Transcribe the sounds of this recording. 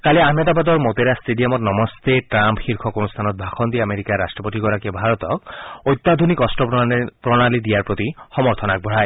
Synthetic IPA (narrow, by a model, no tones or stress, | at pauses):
kaleamjad̪abad̪ɔɾmot̪eɾasʈeɖiɔmɔtnɔmɔst̪eʈɾampxiɾkʰɔkonust̪ʰanɔt̪̚bʱakʰɔnd̪iameɾikaɾasʈɾɔpotikɔɾakebʱaɾɔt̪ɔkojt̪ːad̪ʱonikɔsʈɔppɾɔɽ̃alid̪ijaɾpɾot̪ixɔmɔɾt̪ʰɔnak̚bʱɔɽ̤aj